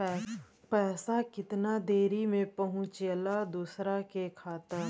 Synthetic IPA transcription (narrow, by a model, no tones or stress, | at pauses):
pɛːsakɪt̪nad̪eːɾimẽpɐɦʊ̃t͡ʃəlad̪uːsɾakekʰaːt̪əɾ